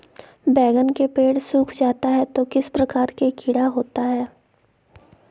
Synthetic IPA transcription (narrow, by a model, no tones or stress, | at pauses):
bɛːɡənkepeːɽsuːkʰd͡ʒaːt̪aɦɛt̪okɪspɾɐkaːɾkekʰɪɽaɦoːt̪aɦɛː